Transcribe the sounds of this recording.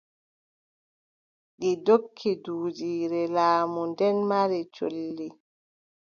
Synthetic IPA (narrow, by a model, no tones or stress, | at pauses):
ɗidokʰːiduːd͡ʒiːɾɛlaːmundɛnmaɾit͡ʃo̰lːi